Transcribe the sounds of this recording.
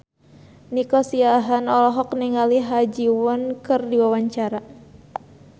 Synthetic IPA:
nikɔsiaɦanɔlɔɦɔkniŋaliɦad͡ʒiwɔnkɨrdiwawaɲt͡ʃaɾa

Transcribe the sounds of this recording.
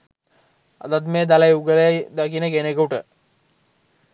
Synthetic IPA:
a̰d̪at̪meːd̪alajuɡələjad̪akinəɡenekuʈə

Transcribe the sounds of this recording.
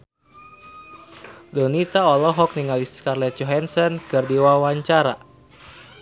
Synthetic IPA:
dɔnit̪aɔlɔɦɔk̚niŋaliskarlɛt̪̚t͡ʃɔɦɛnsənkɨrdiwawaɲt͡ʃaɾa

